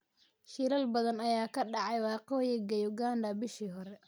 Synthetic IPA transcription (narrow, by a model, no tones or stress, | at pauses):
ʃiɾɐlbɐðɐnɐjaːkʰɐɖɑʕɑjwɑːqɔːjɛɡɐjʊɡaːndɐbɪʃiːɦɔɾɛ